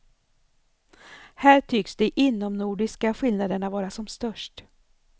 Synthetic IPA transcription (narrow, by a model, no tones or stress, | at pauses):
hæːʈʰʏksd̪ɛʔɪnːɔmnuːɖɪskaɧɪlnad̪əɳavɑːɾasɔmst̪œʂʈ